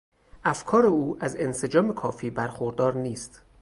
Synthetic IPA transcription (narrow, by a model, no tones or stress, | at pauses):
ʔæfkʰɒːɾe̞uːʔæze̞nse̞d͡ʒɒːme̞kʰɒːfiːbæɾxoɾd̪ɒːɾniːst̪